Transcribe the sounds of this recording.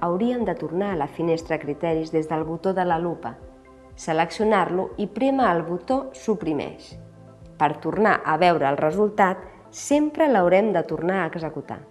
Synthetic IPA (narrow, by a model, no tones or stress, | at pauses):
əwɾiənd̪ət̪urnaːləfinest̪ɾəkɾit̪ɛɾizðezðəlˠβut̪oðələlupə | sələksiunaɾluipɾeməːlˠβut̪osupɾimɛ̰ʃ | pəɾt̪urnaʔəβɛwɾəːlˠrəzulˠt̪at̪ | sempɾələwɾɛmd̪ət̪urnaːɡzəkut̪a̰